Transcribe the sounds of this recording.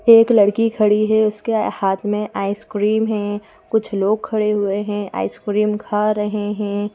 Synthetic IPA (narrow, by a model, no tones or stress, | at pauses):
eːklɐɽkikʰɐɽiɦɛʊskehaːt̪ʰmẽʔaːɪskɾiːmɦɛ̃ː | kʊt͡ʃʰloːɡ̚kʰɐɽeɦʊeɦɛ̃ʔa̰ːɪskɾiːmkʰaɾɐɦeɦɛ̃ː